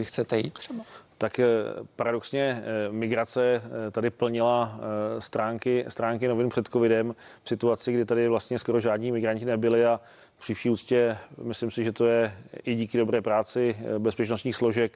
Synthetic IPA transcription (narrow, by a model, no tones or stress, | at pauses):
ɪxt͡sɛt̪ɛjḭːt̪̚ːrɛbat̪akpaɾadoksɲɛmɪɡɾat͡sɛt̪adɪpl̩ɲɪlast̪ɾaːŋkɪst̪ɾaːŋkɪno̞vɪnpr̝̥ɛt̪ko̞vɪdɛm | fsɪt̪uat͡sɪɡdɪt̪adɪvlast̪ɲɛsko̞ɾo̞ʒaːdɲiːmɪɡɾaɲcɪnɛbɪlɪa | pr̥iːfʃiːuːt͡scɛmɪslɪmsɪʒɛt̪o̞jɛʔɪɟiːkɪdo̞bɾɛːpɾaːt͡sɪbɛspɛt͡ʃnost̪ɲiːxslo̞ʒɛk